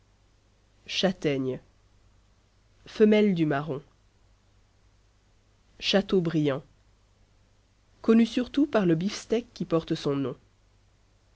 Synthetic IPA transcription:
ʃat̪ɛɲ | fəmɛld̪ymaʁɔ̃ | ʃat̪obʁijɑ̃ | kɔnysyʁt̪upaʁləbifst̪ɛkːipɔʁt̪sɔ̃nɔ̃

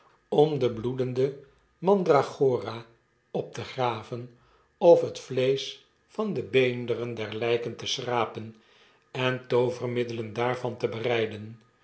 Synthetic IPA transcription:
ɔmdəbludəndə | mɑndraχoːra | ɔp̚təχraːvən | ɔfɦətflejs | fɑndəbejndərəndɛɹlɛjkəntəsraːpən | ɛntowvərmɪdələndaːɹvɑntəbərɛjdən

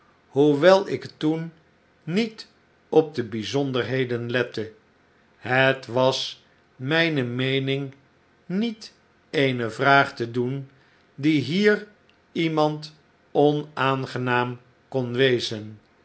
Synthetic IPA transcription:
ɦuʋɛlˠɪktunː | it | ɔb̚dəbizɔndəɹɦejdənlɛtə | ɦətʋɑs | mɛjnəmejnɪŋ | nit | ejnəvraːχtədun | diɦiːr | imɑnt | ɔnaːnχənaːm | kɔnʋejzən

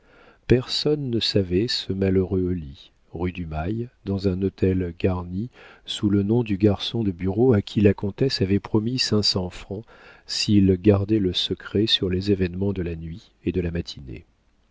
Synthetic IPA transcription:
pɛʁsɔnːəsavɛsəmaləʁøoli | ʁyd̪ymajd̪ɑ̃zɛ̃not̪ʰɛlɡaʁnisulənɔ̃d̪yɡaʁsɔ̃d̪əbyʁoakʲʰilakɔ̃t̪ɛsavɛpχɔmisɛ̃sɑ̃fχɑ̃ | silɡaʁd̪ɛləsəkχɛsyʁlezevɛnmɑ̃d̪əlanɥi | ed̪əlamat̪ʰinḛ

